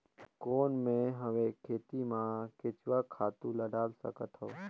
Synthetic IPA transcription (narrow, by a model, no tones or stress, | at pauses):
koːnmẽɦəʋẽkʰeːt̪imãkʰɪt͡ʃʋakʰaːt̪ũləɖaːlsə̰kət̪ɦoː